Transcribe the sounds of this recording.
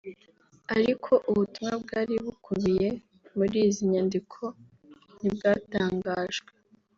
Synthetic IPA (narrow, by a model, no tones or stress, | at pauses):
aɾikʰo̞ʔuβutumŋabɡaːɾiβukʰuβije̞ | muɾiːziɲandikʰo̞ | nib̚ɡaːtaːŋɡaːʒɡwe